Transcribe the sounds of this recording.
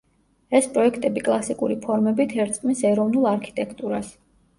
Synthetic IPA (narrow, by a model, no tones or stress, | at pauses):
ɛspʼɾɔɛkʰt̪ʼɛbikʼlˠasikʼuɾipʰɔɾmɛbit̪ʰɛɾt̪sʼqʼmisɛɾɔvnulˠaɾkʰi̥t̪ʼɛkʰt̪ʼuɾas